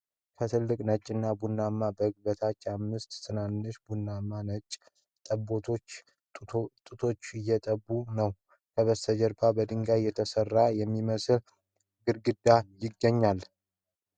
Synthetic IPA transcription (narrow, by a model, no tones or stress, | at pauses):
kʰət̪ʰɨlːɨkʼnət͡ʃʼɪnːabunːamːabəhɨɡ̚bət̪ʰat͡ʃːamːɨst̪sɨnanːɨʃbunːamːanət͡ʃʼ | t̪ʼəbot̪ʰot͡ʃː | t̪ʼɨt̪ʰo̞t͡ʃːɪjːɛt̪ʼəbːunəw | kʰəβəsəd͡ʒəɾbʰabəd̪ɨŋɡajɛt̪ʰəsərːajɛmːiməsl | ɡɨɾɡɨd̪ːajɪɡːəɲːal